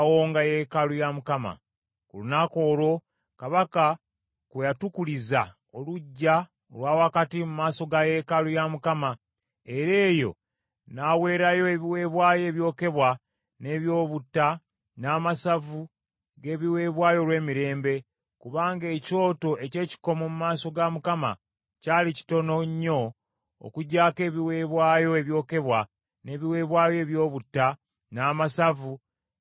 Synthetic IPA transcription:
woːŋɡaje̞kalujamukama̰ | kṵlunako̞ːɾo̞ | kaβaka | kwejatukuliza | o̞luɟːa | olwaːwakatimumaːso̞ɡaje̞kalujamukama | e̞ɾe̞ːjo̞̰ | nawe̞ːɾajo̞e̞βiwe̞ːβwaːje̞ːβjo̞ːke̞βwa | ne̞βjo̞ːβutːa | naːmasavu | ɡe̞ːβiwe̞ːβwaːjo̞lwe̞ːmiɾe̞ːmbe̞ | kuβaːŋɡeːco̞ːto̞ʔe̞ce̞ːci̥ko̞momumaːso̞ɡamukama̰ | caːlici̥to̞no̞ɲːo̞̰ː | kuɟaːke̞ːβiwe̞ːβwaːjo̞eβjo̞ːke̞βwa | ne̞ːβiwe̞ːβwaːjoe̞βjo̞ːβutːa | naːmasavu

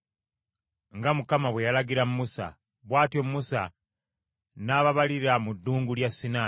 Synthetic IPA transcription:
ŋɡamukamaβwe̞jalaɡiɾamumusa̰ | βwaːtjomuːusa̰ | naːβaβaliɾamudːuːŋɡuljasːina

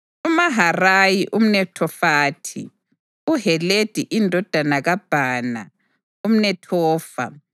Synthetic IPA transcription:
umaɦarajiʔum̩nɛtʰɔfaːtʰḭ | uɦɛled̥ʱiʔindʱɔd̥ʱanaɣab̥ʱaːna̰ | um̩nɛtʰɔːfa̰

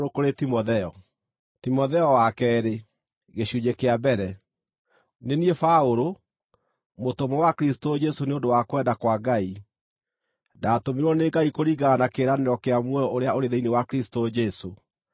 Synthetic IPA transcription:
ɾokoɾetimɔðɛɔ | timɔðɛɔwakɛːɾe | ɣeɕuɲekeabɛɾɛ | neniɛfaoɾo | motomɔwakɾisi̥tod͡ʒɛsoneondowakowɛdakwaɡai | daːtomiɾwɔneɡaikoɾiɡanakeːɾaneɾɔkeamwɛɔʔoɾeaoɾeðeinewakɾisi̥tod͡ʒɛso

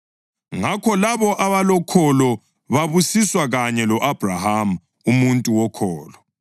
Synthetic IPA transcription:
ŋakʰɔlaβɔʔaβalɔkʰɔlɔ | βaβusiswaɣaɲɛlɔʔab̥ʱraham̩ | umuntʼuwɔkʰɔːlɔ

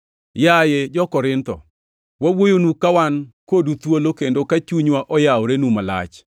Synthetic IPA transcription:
jajed͡ʒɔkɔɾɪnt̪ɔ̰ | wawojonukawankodut̪wolokendokat͡ʃuɲwaʔɔjaoɾenumala̰t͡ʃ

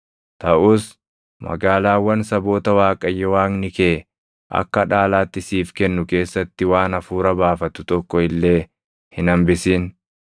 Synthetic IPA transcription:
t̪ɐʔuːs | mɐ̰ɡaːlaːwːɐnsɐbo̞ːt̪ɐwaːkʼɐjːɛwaːŋnɪkeː | ʔɐ̰kːɐᶑaːlaːt̪ːɪsiːfkɛnːʊke̞ːsːɐt̪ːɪwaːnɐfuːɾɐbaːfɐt̪ʊt̪ɔkːɔɪlːe̞ː | hɪnɐmbɪsiːn

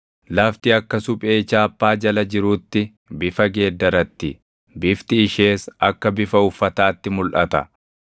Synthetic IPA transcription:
lɐft̪ɪɐkːɐsʊpʼe̞ːt͡ʃaːpːaːd͡ʒɐlɐd͡ʒɪɾuːt̪ːɪ | bɪfɐɡe̞ːd̪ːɐɾɐt̪ːɪ | bɪft̪ɪːʃeːsɐkːɐbɪfɐʊfːɐt̪aːt̪ːɪmʊlʔɐt̪ɐ̰

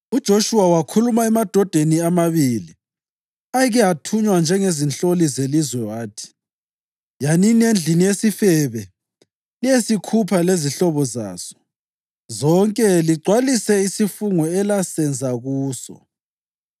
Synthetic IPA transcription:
ud̥ʒ̥ʱoʃuwawakʰulumaɛmad̥ʱɔd̥ʱeniamaβili | aɣɛatʰuɲwand͡ʒʱɛŋezint͡ɬolizelizwɛwaːtʰi̥ | janiniend͡ɮʱinijesifɛβɛ | lijesikʰupʰaleziɬɔβɔza̰ːz̥ɔ̥ | zɔŋkʼɛliɡ͡ǀʱwalisɛisifuŋɔɛlasɛnd͡zʱaɣuːsɔ̰

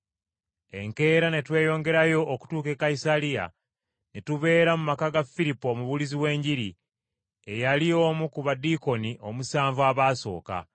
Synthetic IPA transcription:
e̞̰ŋke̞ːɾane̞twe̞ːjo̞ːŋɡe̞ɾajo̞ʔːku̥tuːke̞kaisalija̰ | netuβe̞ːɾamumakaɡafiɾipːomuβuliziwe̞ːɲɟiɾi | e̞jalio̞ːmukuβadiko̞niʔo̞musaːɱvwaːβaːso̞̰ːka̰

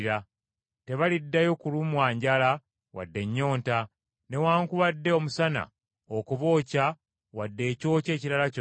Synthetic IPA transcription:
ɾa | te̞βalidːajo̞kulumwaːɲɟala | wa̰dːe̞ɲːo̞ːnta | ne̞waːŋkuβadːe̞omusana̰ | okuβo̞ːca | wadːe̞ːco̞ːce̞ːciɾalac

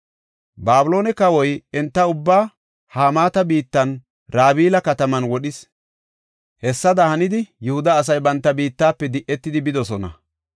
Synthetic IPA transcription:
baːbʊlo̞ːnɛkɐwɔjɛnt̪ːɐʊbːaː | haːmaːt̪ɐbiːt̪ːɐn | ɾaːbiːlɐkɐt̪ɐmɐnwɔɗɪs | hɛsːɐd̪ɐhɐnɪd̪ɪjɛhʊd̪ɐːs̬ɐjbɐnt̪ːɐbiːt̪ːaːpːɛd̪ɪʔːɛt̪ːɪd̪ɪbɪd̪ɔsɔnɐ̰

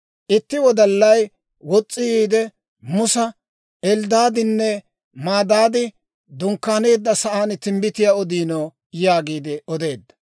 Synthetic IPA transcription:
ʔɪt̪ːɪwɔd̪ɐlːɐj | wɔt͡sʼːɪjiːd̪ɛ | mʊsɐ | ɛld̪aːd̪ɪnːɛ | maːd̪aːd̪ɪ | d̪ʊŋkːaːne̞ːd̪ːɐsɐʔaːnt̪ɪmbɪt̪ɪjaɔd̪iːnoː | jaːɡiːd̪ɪɔd̪e̞ːd̪ːɐ̥

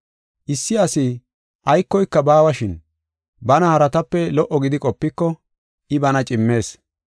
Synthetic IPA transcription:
ʔɪsːɪɐsɪ | ʔɐjkːɔjkːɐbaːwɐʃɪn | bɐnɐhɐɾɐt̪ɐpːɛlɔʔːɔɡɪd̪ɪkʼɔpːɪkːɔ | ɪbɐnɐt͡ʃʼɪmːe̞ːs

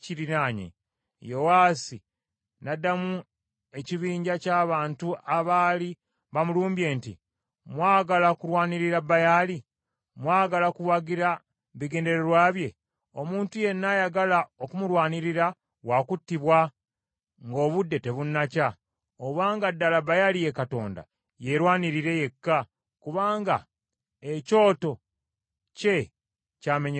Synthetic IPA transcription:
ciɾinaːɲḛ | jo̞waːsi | nadːamu | e̞ciβiːɲɟacaːβaːntuaβaːli | βamuluːmbje̞ːntḭ | mwaːɡalakuɾwaːniɾiɾabajaːli | mwaːɡalakuwaɡiɾa | βiɡe̞ːnde̞ɾe̞ɾwaːβje̞ | o̞muːntuje̞nːajaɡalaokumuɾwaːniɾiɾa | wakutːiβwa | ŋɡo̞ːβudːe̞te̞βunːaca | oβaːŋɡadːalabajalije̞kato̞̰ːnda̰ | je̞ɾwaːniɾiɾe̞je̞kːa | kuβaːŋɡa̰ | eco̞ːto̞ | ce̞ | caːmeɲ

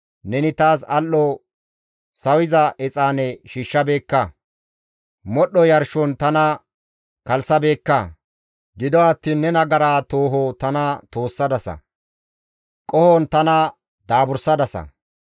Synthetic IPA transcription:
nɛnɪt̪aːsɐlːɔ | sɐwɪzɐʔɛt͡sʼaːnɛʃiːʃːɐbe̞ːkːɐ | mɔɗːɔjɐɾʃɔnt̪ɐnɐ | kɐlsɐbe̞ːkːɐ | ɡɪd̪ɔɐt̪ːiːnːɛnɐɡɐɾaːt̪oːɦɔt̪ɐnɐt̪o̞ːsːɐd̪ɐsɐ̰ | kʼɔhɔnt̪ɐnɐ | d̪aːbʊɾsɐd̪ɐsɐ̰

